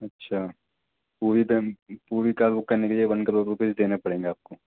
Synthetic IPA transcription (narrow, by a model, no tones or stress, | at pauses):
ɐtːʃʰa | puːɾid̪epuːɾikaːlbʊkːɐɾnekeliebɐ̃nkɐɾoːɾuːpeːd͡ʒd̪eːnapɐɽẽːŋɡeaːp̚koː